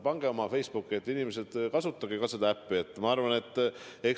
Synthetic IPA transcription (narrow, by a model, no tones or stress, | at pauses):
pɑŋɡ̥e̞omɑfe̞jsb̥ukːˑie̞t̪ˑːinimese̞d̪̥kɑsut̪ˑːɑɡikɑse̞d̪ɑæpːiet̪ːˑmɑɑrvɑne̞t̪ˑːek